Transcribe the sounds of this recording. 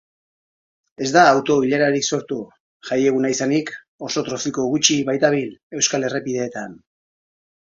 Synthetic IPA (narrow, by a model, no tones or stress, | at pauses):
e̞zd̪aːwt̪o̞iʎaɾaɾikso̞ɾt̪u | ʝaje̞ɣ̞unaisanik | o̞so̞t̪ɾo̞siko̞ɣut͡ʃiβajt̪aβ̞ile̞wskale̞repið̞e̞ːt̪an